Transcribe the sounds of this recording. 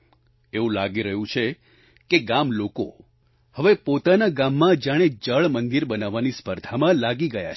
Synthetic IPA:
eũlaɡiɾəɦũt͡ʃʰe | keɡamloko̰ | həʋepot̪anaɡamːãd͡ʒaɽ̃ed͡ʒəɭmənd̪iɾbənaʋːanispəɾd̪ʱamãlaɡiɡəja̰t͡ʃʰ

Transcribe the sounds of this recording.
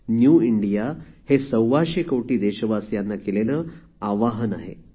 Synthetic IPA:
njuːiɳɖijahesəwʋaɕekowʈiːd̪eɕəʋasjanːakeleləː | aʋaɦənaɦḛ

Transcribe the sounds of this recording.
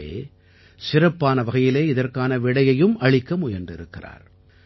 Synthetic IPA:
ḛː | sɪrɐpːaːnɐʋɐɣɐjɪleːɪðɐrkaːnɐʋɪɽɐjɐjɯmʔɐɭɪkːɐmʊjɐndrɪɾɯkːɪra̰ːɾ

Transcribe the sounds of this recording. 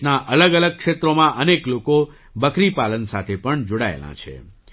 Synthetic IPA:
naʔələɡələɡ̚kʂet̪ɾomãʔənekloko | bəkɾipalənsat̪ʰepəɳd͡ʒoɽaḛlã̰t͡ʃʰḛ

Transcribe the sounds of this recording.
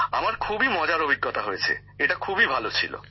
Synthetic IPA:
amaɾkʰubimɔd͡ʑaɾobʱiɡːot̪aɦojet͡ɕʰḛ | eʈakʰubibʱalot͡ɕʰilo̰

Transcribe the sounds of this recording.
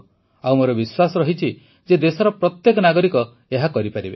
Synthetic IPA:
awmoɾɔbiswasɔɾɔɦit͡ʃʰi | d͡ʒed̪esɔɾɔpɾɔt̪jekɔnaɡɔɾikɔ | eɦakɔɾipaɾibe

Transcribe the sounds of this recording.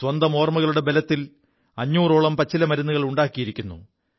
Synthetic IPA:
swɐnd̪ɐmo̞ːrmɐɣɐɭuɽe̞be̞lɐt̪ːil | ɐɲːuːroːɭɐmpɐt͡ɕːilɐmɐɾunːuɣɐɭuɳɖaːkːijiɾikʲːunːṵ

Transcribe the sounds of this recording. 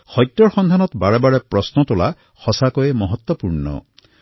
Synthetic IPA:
xɔjt̪ːɔɾxɔnd̪ʱanɔt̪baɽebaɽepɾɔsnɔt̪ola | xɔsakɔemɔɦɔt̪wɔpuɾɳɔ̰

